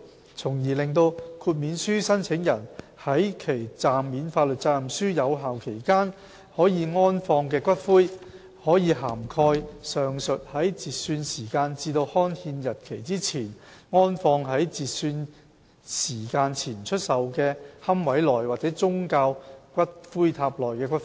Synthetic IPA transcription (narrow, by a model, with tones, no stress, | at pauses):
t͡sʰʊ˨˩ŋjiː˨˩lɪ˨˩ŋt̪̬o˧wkʰuː˧t̚miː˨˧nsyː˥sɐ˥nt͡sʰɪ˨˥ŋjɐ˨˩n | hɐ˨˥jkʰe˨˩jt͡saː˨mːiː˨˥nfaː˧t̚lɵ˨t̚t͡saː˧msyː˥jɐ˨˧wɦaː˨wkʰe˨˩jkaː˥n | hɔː˨˥jiː˨˧ŋɔː˥nfɔː˧ŋkɛː˧kʷɐ˥t̚fuː˥j | hɔː˨˥jiː˨˧ɦaː˨˩mkʰɔː˧jsœː˨˩ŋsɵ˨t̚hɐ˨˥jt͡siː˨t̚syː˧nsiː˨˩kaː˧nt͡siː˧t̪o˧whɔː˥nhiː˧njɐ˨t̚kʰe˨˩jt͡siː˥t͡sʰiː˨˩nŋɔː˥nfɔː˧ŋɦɐ˨˥jt͡siː˨t̚syː˧n | siː˨˩kaː˧nt͡sʰiː˨˩nt͡ʃʰɵ˥t̚sɐ˨˥wkɛː˧hɐ˥mwɐ˨˥jlɔː˨˩jwaː˨k̚t͡sɛː˨˥t͡sʊ˥ŋkaː˧wkʷɐ˥t̚fuː˥jt̪ʰaː˧p̚lɔː˨˩jkɛː˧kʷɐ˥f